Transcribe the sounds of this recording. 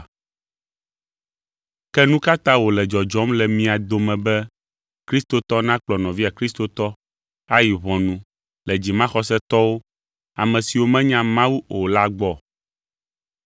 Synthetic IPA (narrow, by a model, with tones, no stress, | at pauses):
kɛ˦nũ˦ka˦t̪ã˦wo˨lɛ˨d͡ʒɔ˨d͡ʒɔ˦mlɛ˨mĩ˦a˨d̪o˨mɛ̃˨bɛ˦ | kɾi˦st̪o˨t̪ɔ˦nã˦k͡plɔ˨nɔ̃˨vi˦a˨kɾi˦st̪o˨t̪ɔ˦ | a˦ji˨βɔ̃˨nũ˨ | lɛ˨d͡ʑi˨mã˦xɔ˦sɛ˦t̪ɔ˦wo˦ | a˨mɛ̃˨si˨wo˦mɛ̃˦ɲã˦mã˦wu˦o˨la˦ɡ͡bɔ˦˨